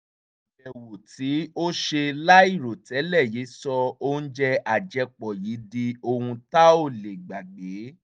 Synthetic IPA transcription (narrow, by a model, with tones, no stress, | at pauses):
ɛ˨wo˨ti˨˦o˦ʃe˧la˦i˦˨ɾo˨tɛ˨˦lɛ˦˨je˨˦sɔ˧o˦n̩˦d͡ʒɛ˧a˨d͡ʒɛ˧k͡pɔ˨ji˨˦di˧o˧hũ˧ta˦o˦˨le˨ɡ͡ba˨ɡ͡be˨˦